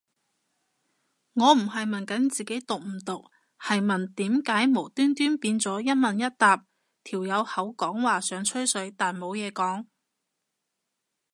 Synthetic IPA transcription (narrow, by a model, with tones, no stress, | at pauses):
ŋɔː˨˧m̩˨˩ɦɐ˨jmɐ˨nkɐ˨˥nt͡siː˨ke˨˥jt̪ʊ˨k̚m̩˨˩t̪ʊ˨k̚ | hɐ˨jmɐ˨nt̪iː˨˥mkaː˨˥jmo˨˩wt̪yː˥nt̪yː˥npiː˧nt͡sɔː˨˥jɐ˥t̚mɐ˨njɐ˥t̚t̪aː˨p̚ | t̪ʰiː˨˩wjɐ˨˧whɐ˨˥wkɔː˨˥ŋwaː˨sœː˨˧˥ŋt͡ʃʰɵ˥ɥsɵ˨˥ɥt̪aː˨nmo˨˧wjɛː˨˧kɔː˨˥ŋ